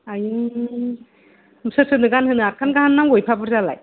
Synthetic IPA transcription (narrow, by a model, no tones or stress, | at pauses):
ajɯ | msɯsɯnɯɡanhɯnɯaɾ̚kʰanɡaɦanːaŋɡojpʰabɯɾzala̰j